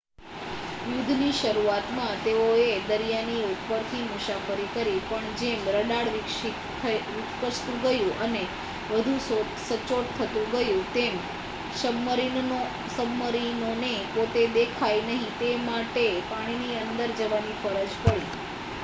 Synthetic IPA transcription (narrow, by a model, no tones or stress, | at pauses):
jʊd̪ʱniʃəɾuat̪mãt̪eoed̪əɾijaniʊt̪pəɾkʰimʊʃafəɾikəɾipəɳd͡ʒemɾəɽaɽʋɪkʃi | əʋɪtkəʃt̪ũɡəjũʔəne | ʋəd̪ʱũs | sət͡ʃoʈ̚t̪ʰːət̪ũɡəjũt̪em | ʃəbməɾi | səbməɾinonepot̪ed̪ekʰajnəɦĩt̪emaʈepaɽ̃iniənd̪əɾd͡ʒəʋanifəɾəd͡ʒpəɭi